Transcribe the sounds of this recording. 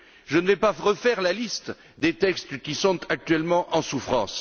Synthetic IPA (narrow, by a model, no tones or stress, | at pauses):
ʒənəvɛpaʁəfɛʁlalist̪ | d̪et̪ɛkst̪kʲisɔ̃t̪ʰak̚t̪ɥɛlmɑ̃ʔɑ̃sufχɑ̰̃s